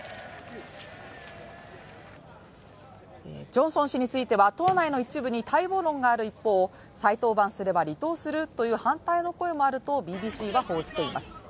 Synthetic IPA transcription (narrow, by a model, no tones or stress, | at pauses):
ḛd͡ʑõ̞ɰ̃sõ̞ɰ̃ɕiɲ̟it͡sɨit̪e̞βat̪o̞ːnaino̞it͡ɕibɯ̟ɲ̟it̪ʰaibo̞ːɾõ̞ŋɡaːɾɯ̟ipːo̞ː | sait̪o̞ːbãsɨɾe̞baɾʲit̪o̞ːsɨɾɯ̟t̪o̞jɯ̟ːhãnt̪aino̞ko̞e̞mo̞aɾɯ̟t̪o̞bʲiːbʲiːɕiːβaho̞ːʑi̥t̪e̞ima̰sɨ̥